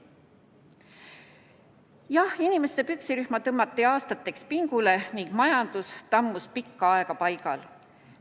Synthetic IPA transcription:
jɑhinime̞st̪epyksiɾyhmɑt̪ɤmːɑt̪ːˑiɑːst̪ɑt̪ːˑe̞kspiŋɡ̥ule̞niŋɡ̥mɑjɑnd̪̥ust̪ɑmːuspikːɑɑe̞kɑpɑjkɑl

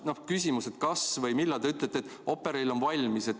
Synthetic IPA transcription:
nohkys̬ʲimuse̞t̪kɑsvɤjmilːɑlt̪e̞yt̪ˑlet̪ːet̪ːˑo̞pːˑeɾejlo̞nvɑlʲmise̞t̪

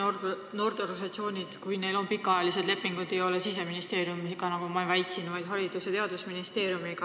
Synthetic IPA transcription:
no̞ːrt̪erɡɑnsɑt̪sio̞ːnʲid̪̥kujne̞jlo̞npikːˑɑɑjɑlis̬e̞d̪le̞pːiŋɡ̥ud̪ejo̞lesis̬e̞minist̪e̞ːɾjumiɡ̥ɑnɑɡumɑevæjt̪ʲsinvɑjd̪̥ɦɑɾid̪̥uset̪e̞ɑd̪usminist̪e̞ːɾjumiɡ̥ɑ

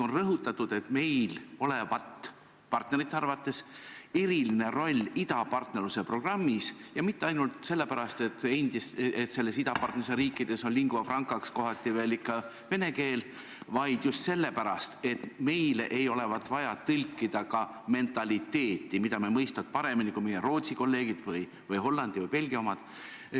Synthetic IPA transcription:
onrɤɦut̪ːˑɑt̪ːˑud̪̥e̞t̪me̞jlo̞le̞vɑt̪ː | pɑrt̪ne̞ɾit̪ːɑrvɑt̪ːˑe̞se̞ɾiline̞ɾo̞lʲːid̪ɑpɑrt̪ne̞rluse̞pro̞ɡ̥rɑmːisjɑmit̪ːeɑjnult̪se̞lːe̞pæɾɑst̪et̪ːe̞nʲd̪̥iset̪se̞lːe̞sid̪ɑpɑrt̪neuseɾiːkˑːid̪̥e̞so̞nliŋɡ̥vɑfrɑŋkːˑɑksko̞ɦɑt̪ˑːive̞ːlikːɑ | ve̞ne̞ke̞ːl | vɑjd̪̥just̪se̞lːe̞pæɾɑst̪e̞t̪me̞jleʔejo̞le̞vɑt̪ːˑvɑjɑt̪ɯlʲkːid̪̥ɑkɑ | me̞nt̪ˑɑlʲit̪ːe̞ːt̪ːˑimid̪ɑmemɤjst̪ɑt̪̚pɑɾe̞minikujmijero̞ːt̪siko̞lːe̞ːɡ̥id̪̥vɯj | vɯjɦo̞lːɑnd̪̥ivɤjpe̞lʲɡiɑo̞mɑd̪̥

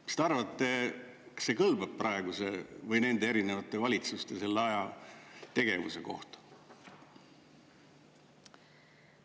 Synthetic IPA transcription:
st̪eɑrvɑt̪ːe | kɑ̥se̞kɤlbɑb̥̚prɑeɡusevɤjne̞nd̪e̞eɾinevɑt̪ːˑe̞vɑlʲit̪sust̪ese̞lːeɑjɑt̪e̞ɡe̞vṵse̞ko̞̰ht̪ɑ̥

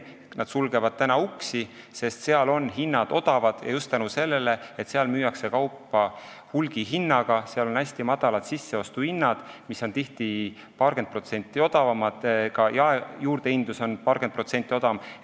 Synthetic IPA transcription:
nʔɑd̪̥sulɡ̥e̞vɑd̪̥̚t̪ænɑuksi | se̞st̪seɑlo̞nɦinːɑd̪̥o̞d̪̥ɑvɑd̪̥jɑ̰just̪ːænuse̞lːe̞le̞e̞t̪se̞ɑlmyːjɑkse̞kɑwpːɑ | hulɡ̥iɦinːɑɡ̥ɑseɑlo̞næsʲt̪imɑd̪̥ɑlɑt̪sisːe̞o̞st̪uhinːɑd̪̥misːo̞nt̪iht̪i | pɑːɾɡ̥ed̪pro̞t̪se̞nʲt̪ʲːˑio̞d̪̥ɑvɑmɑd̪̥kɑjɑejuːɾd̪eind̪uso̞npɑːrɡ̥ed̪̚pro̞t̪se̞nʲt̪ʲːˑio̞d̪̥ɑm

